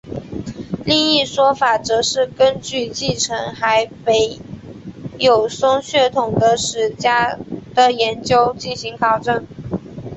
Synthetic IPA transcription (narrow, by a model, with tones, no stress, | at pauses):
li˥˧ŋi˥˩ʂwɔ˥fa˨˩ʈ͡ʂɤ˧˥ʂɻ̩˥˩kə˥nt͡ɕy˥˧t͡ɕi˥˩ʈ͡ʂʰə˧˥ŋxa˧˥ɪpe˧˥ɪ | jo˨˩ʊsʊ˥ŋɕɥɛ˥˩t̪ʰʊ˨˩ŋd̪ə˦ʂɻ̩˨˩t͡ɕja˥d̪̥ə˨jɛ˧˥nt͡ɕjo˥ʊt͡ɕi˥˩nɕi˧˥ŋkʰɑ˨˩ʊʈ͡ʂɤ˥˩n